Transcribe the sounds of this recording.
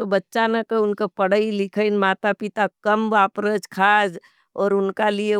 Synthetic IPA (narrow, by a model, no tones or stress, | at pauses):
obətːʃanəkeʊnkepəɽ̤əilɪkʰəɪnmaːt̪apɪt̪akəmbaːpɾəd͡ʒkʰaːd͡ʒ | ɔːɾʊnkalie